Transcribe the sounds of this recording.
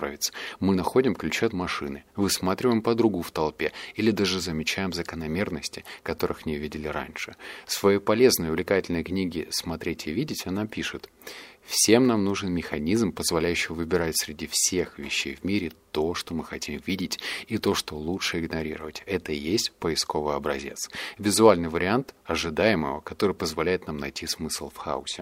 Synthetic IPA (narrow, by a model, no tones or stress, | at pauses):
a̰vʲɪt̪smɨnɐxo̞dʲɪmklʲʉt͡ɕet̪mɐʂɨnɨvɨsmat̪ɾʲɪvəjɪmpəd̪ɾuɡʊft̪ɐlˠpʲeilʲɪd̪aʐɨzəmʲɪt͡ɕæjɪmzəkənɐmʲe̞rnəsʲtʲɪ̥kɐt̪o̞ɾɨxmnʲevʲidʲɪlʲɪɾa̰nʲʂɨsvɐjepɐlʲe̞znəjʊvlʲɪkatʲɪlʲnəjknʲiɡʲɪsmɐt̪ɾʲetʲʰɪvʲidʲɪtʲɐnapʲiʂɨt̪ | fsʲe̞mnamnuʐɨnmʲɪxɐnʲizmpəzvɐlʲæjʉɕːɪvɨbʲɪɾatʲsɾʲɪdʲifsʲe̞xvʲɪ̰ɕːḛjvmʲiɾʲɪt̪o̞ʂt̪o̞mɨxɐtʲimvʲidʲɪtʲit̪o̞ʂt̪o̞lˠutʂɨɪɡnɐɾʲḭɾəvətʲɛt̪əjesʲtʲpəɪsko̞vɨjɐbɾɐ̰zʲe̞̰t̪svʲɪzʊalʲnɨjvəɾʲɪant̪ɐʐɨd̪ajɪmə̰və̰kɐt̪o̞ɾɨjpəzvɐlʲæjɪt̪namnɐjtʲismɨslˠfxa̰ʊ̰sʲɪ